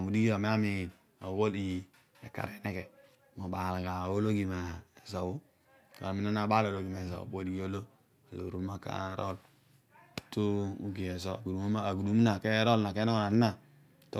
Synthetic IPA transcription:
mu˨di˦ɡi˦o˨me˦a˦mi˨ | a˨wo˦li˨ | e˨ka̰˨ɾe˨ne˦ke˨ | mo˨ba˨la˨ɡa˨wo˦lo˦ɡi˨ma˨e˨zo˨wu˦ | ko̰˨a˨mi˨˦no˦na˨ba˦lo˨lo˨ɡi˨me˨za̰˨bo˨di˦ɡo˦lo˦ | a˨lo̰˨ɾu˦ma˦ka̰˦ɾo˦l | tu˦u˦ɡi˨e˨zo˦a˨ɡu˨du˨mo˦ma˦a˨ɡu˨du˨˦m˦na˨ke˦ɾo˦lna˨ke˦n˦na˨ni˦na˨ | to˦

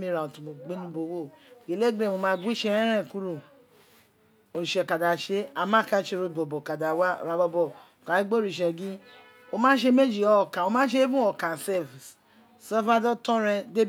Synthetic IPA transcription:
mi˦ɾa˨u˨tu˨mo˨ɡ͡be˦nũ˨˧bo˨wo˦˨ɡe˨le˦ɡẽ˦˨mo˧mã˧˦ɡʷi˦ʃe˦ɾɛ̃˦ɾɛ̃˦˨ku˦ɾo˨ | o˨i˨ʃɛ˨ka˨da˨ʃe˦a˨mã˦˨ka˧˦ʃe˧˦ɾo˧˨bɔ˨bɔ˨ka˨da˨wa̰˦˨ɾa˨bɔ˧bɔ˨ | ka˨˦i˦ɡ͡bo˦ɾi˨ʃɛ˨ɡĩ˦ | o˧mã˦ʃe˧˦me˦d͡ʒi˨ɔ˨˦˨kã˨o˧mã˦ʃe˦bũ˦ɔ˨kã˨sɛ˦vs | sɔ˦fa˦dɔ˦tɔ̃˦ɾɛ̃˧de˦b

